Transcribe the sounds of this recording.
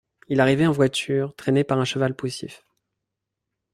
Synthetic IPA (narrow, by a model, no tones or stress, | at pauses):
ilaʁivɛɑ̃vwat̪yːʁt̪χɛnepaʁɛ̃ʃəvalpusḭf